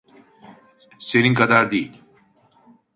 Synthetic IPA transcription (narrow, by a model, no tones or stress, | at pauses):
seninkʰad̪aɾd̪ejilʲ